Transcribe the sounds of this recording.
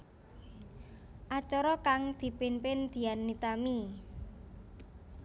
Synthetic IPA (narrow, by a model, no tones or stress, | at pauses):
ʔat͡ʃɔɾɔkaŋd̪̥i̤pinpɪnd̪̥i̤anːit̪ami